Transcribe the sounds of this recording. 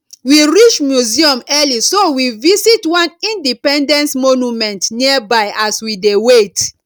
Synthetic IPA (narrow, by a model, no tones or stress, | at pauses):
wiɹit͡ʃmjuziɔ̃mɛlisowivisitwãnĩndipɛ̃ndɛ̃ntmonumɛ̃ntniabaɪʔaswidewet